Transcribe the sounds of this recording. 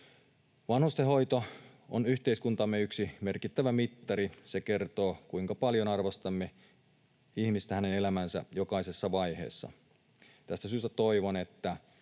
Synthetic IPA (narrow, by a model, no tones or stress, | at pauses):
ʋɑnhust̪eɦo̞jt̪o | onyht̪eiskunt̪ɑmːeyksime̞rkit̪ːæʋæmit̪ːɑɾiseke̞rt̪o̞ːkuiŋkɑpɑljonɑrʋost̪ɑmːe | ihmist̪æhænene̞læmænsæ̰jokɑisesːɑʋɑjhe̞̰ːsːɑ̰ | t̪æst̪æsyːst̪æt̪o̞iʋone̞t̪ːæ